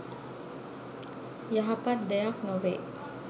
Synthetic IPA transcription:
jaɦapat̪̚d̪ɛjaknoʋe

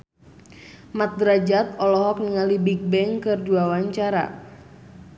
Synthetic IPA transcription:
mat̪̚dɾad͡ʒat̪̚ɔlɔɦɔk̚nəŋalibik̚bɛŋkɨrduawaɲt͡ʃaɾa̰

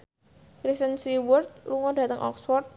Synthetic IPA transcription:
kɾist̪ənsiwʊrt̪̚luŋɔɖ̥ä̤t̪əŋʔɔ̰ksfɔrt̪̚

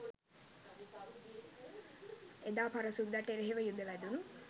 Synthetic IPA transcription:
ed̪aːpaɾɐsund̪aʈeɾeɦeʋəjud̪əʋæd̪unu

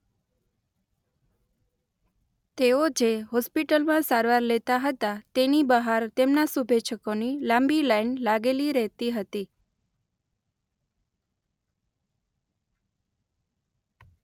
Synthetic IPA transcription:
t̪eod͡ʒeɦɔspiʈəlmãsaɾʋaɾlet̪aɦət̪at̪enibəɦaɾt̪emnasubʱet͡ʃʰəkonilãmbilajnlaɡeliɾəɦt̪iɦət̪i

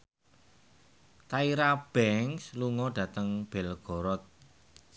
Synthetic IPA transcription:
t̪aiɾab̥ɛŋsluŋɔɖ̥ä̤t̪əŋb̥ɛlɡ̥ɔ̤ɾɔt̪̚

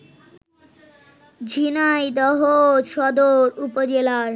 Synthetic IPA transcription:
d͡ʑʱinajd̪ɔɦoʃɔd̪oɾupod͡ʑelaɾ

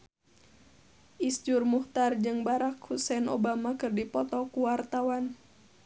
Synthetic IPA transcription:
ʔisd͡ʒurmuht̪ard͡ʒɨŋbaɾakhusɛnobamakɨrdipɔt̪ɔkuwart̪awan

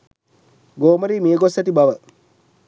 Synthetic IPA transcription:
ɡoːməɾiːmiəɡosæʈibɐʋə

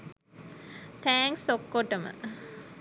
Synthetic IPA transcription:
t̪ʰæːŋsokːoʈəmə̰

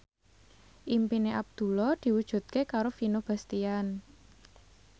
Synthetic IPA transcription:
ʔimpineʔab̚d̪̥ṳlɔd̪̥i̤wud̥ʒ̥ṳt̪̚kekaɾofinob̥a̤st̪ian

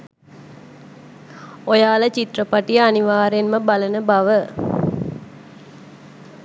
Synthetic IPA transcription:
ojaːlət͡ʃit̪rəpaʈijəaniʋaːɾenməbalənəbaʋə

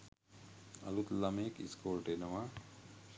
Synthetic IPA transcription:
ɐ̰lut̪lɐmeːkḭskoːlʈenɐma

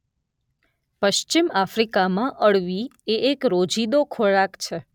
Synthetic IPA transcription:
pəʃt͡ʃimafɾikamãʔəɭʋieʔekɾod͡ʒid̪okʰoɭakt͡ʃʰe

